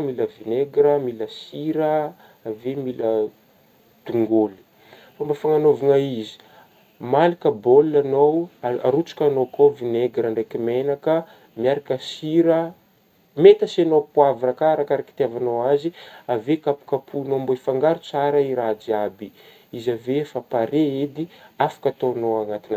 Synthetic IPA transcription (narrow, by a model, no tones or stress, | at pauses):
miləvineɡɾəmiləsiɾə | avemilə | d̪̥uŋɡoli̥ | fambafaŋanovuŋaizi̥ | malikəboluanowa̰ɾut͡su̥kʲanokʰovineɡɾəɳɖ͡ʐejkimenakə | miaɾakəsiɾə | met̪əsanopuaviɾakaɾakaɾaki̥t̪iavanowaziavekapu̥kapʰunomboifaŋɡaɾut͡saɾəiɾad͡ʒiabi | izavefapaɾeed̪iafḁkat̪onowaŋat̪inə